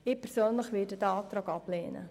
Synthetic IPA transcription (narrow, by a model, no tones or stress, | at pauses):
ɪːpʰɛɾsøːnləχʋɪːdədaɑt̪ɾɑːɡɑpleːnə̰